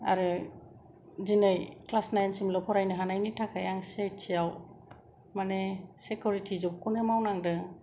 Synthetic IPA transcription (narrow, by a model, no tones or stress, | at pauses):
a̰ɾɯ | dinɯjklasnajnsimlɔpʰɔɾajnɯɦanajnitʰakʰajaŋsejtʰijaw | manesekuɾitʰizɔbkʰɔnɯmawnaŋdɯ